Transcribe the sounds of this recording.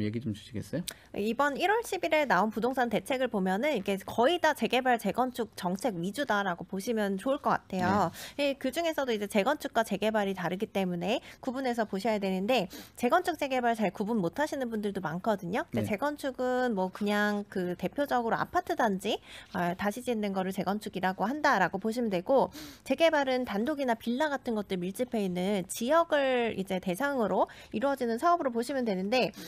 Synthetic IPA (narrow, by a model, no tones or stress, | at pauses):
jeɡid͡ʑomt͡ɕu̥ɕʰiɡes͈ʌjo̰ | ibʌniɾwʌɭɕʰibiɾeɭnaonpudoŋsʰante̞t͡ɕʰe̞ɡɯɭpomjʌnɯnikʰe̞kʌidat͡ɕe̞ɡe̞baɭt͡ɕe̞ɡʌnt͡ɕʰuk̚t͡ɕʌŋt͡ɕʰe̞ɡɥid͡ʑudaɾaɡopoɕʰimjʌnt͡ɕoɯɭk͈ʌk͈a̰tʰe̞joekɯd͡ʑuŋe̞sʰʌdoid͡ʑe̞t͡ɕe̞ɡʌnt͡ɕʰuk̚k͈wat͡ɕe̞ɡe̞baɾitaɾɯɡit͈e̞mune̞kubune̞s̬ʰʌpoɕʰʌjadwe̞nɯnde̞t͡ɕe̞ɡʌnt͡ɕʰuk̚t͡ɕ͈e̞ɡe̞baɾɭt͡ɕaɭkubunmotʰaɕʰinɯnbundɯɭdomankʰʌdɯɲoɡet͡ɕe̞ɡʌnt͡ɕʰuɡɯnmwʌkɯɲaŋkɯte̞pʰjod͡ʑʌɡɯɾoa̰pʰatʰɯdand͡ʑiataɕʰid͡ʑinːɯnɡʌɾɯɭt͡ɕe̞ɡʌnt͡ɕʰuɡiɾaɡoɦandaɾaɡopoɕʰimjʌndwe̞ɡot͡ɕe̞ɡe̞baɾɯntandoɡinapiɭːaɡatʰɯnɡʌt̚t͈ɯɾmiɭt͡ɕ͈ipʰeinːɯnt͡ɕijʌɡɯɭḭd͡ʑe̞te̞sʰaŋɯɾo | iɾwʌd͡ʑinɯnsʰaʌbɯɾop̬oɕʰimjʌndwenɯnde̞